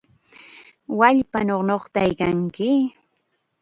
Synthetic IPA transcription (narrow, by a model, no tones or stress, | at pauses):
waʎpanonoχt̪ajkaŋkɪ